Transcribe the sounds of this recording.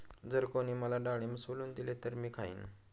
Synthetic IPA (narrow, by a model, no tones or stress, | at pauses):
d͡zəɾkoɽ̃iːməlaɖaɭ̃ieməsoluːnd̪ilet̪əɾmiːkʰaḭːn